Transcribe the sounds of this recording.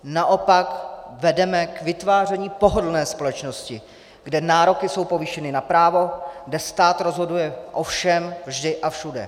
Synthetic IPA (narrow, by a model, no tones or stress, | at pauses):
naʔo̞pakvɛdɛmɛkvɪt̪vaːr̝ɛɲiːpo̞ɦodl̩nɛːspo̞lɛt͡ʃno̞scɪ | ɡdɛnaːɾo̞kɪso̞wpo̞viʃɛnɪnapɾaːvo̞ɡdɛst̪aːt̪ɾo̞zɦo̞dujɛʔo̞fʃɛmvʒdɪʔafʃudɛ̰